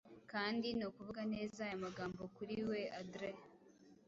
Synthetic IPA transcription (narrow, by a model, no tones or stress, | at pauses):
kaːndinokuvuɡane̞ːzajamaɡaːmbo̞kuɾiwe̞adɾe